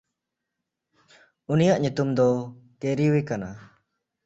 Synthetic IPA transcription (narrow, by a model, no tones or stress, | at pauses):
unijaʔɲut̪umd̪ɔkeɾiwekana